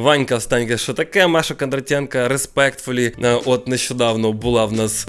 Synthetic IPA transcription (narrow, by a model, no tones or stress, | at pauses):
vanʲkɐfst̪anʲɡəʂt̪ot̪ɐkajəmaʂəkɐnd̪ɾɐtʲenkəɾʲɪspɛkt̪fʊlʲɪʔot̪nəɪɕod̪avnobɨlˠavnas